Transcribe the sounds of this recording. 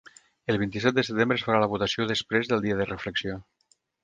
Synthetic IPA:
əlˠβint̪isɛt̪̚d̪əsət̪embɾəsfəɾaləβ̞ut̪əsioðəspɾezðəlˠd̪iəðərəfləksio

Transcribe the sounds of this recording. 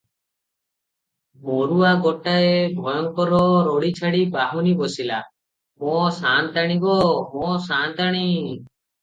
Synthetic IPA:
mɔɾuaɡɔʈaebʱɔjɔŋkɔɾɔɾɔɽit͡ʃʰaɽibaɦunibɔsila̰ | mɔ̃sant̪aɽ̃ibɔmɔ̃sant̪aɽ̃i

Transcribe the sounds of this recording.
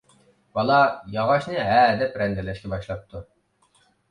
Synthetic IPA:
b̥ɑlˠɑjɑʁɑʃnɨɦæːd̪ɛpɾɛnd̪ɛlɛʃkʲɛbɑʃlˠɑp̚t̪ʰu

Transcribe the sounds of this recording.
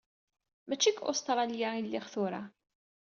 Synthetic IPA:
mæt͡ʃːikːʊ̰st̪ɾˤɑljailːɪχθʊɾa̰

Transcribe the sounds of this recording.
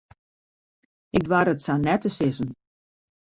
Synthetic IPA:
ɪk̚dʋwaɾətsanɛtəsɪzən

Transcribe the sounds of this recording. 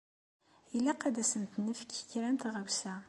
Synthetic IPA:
ilæqːæd̪æsənt̪nːəfkçɾænt̪ʁəwsæ

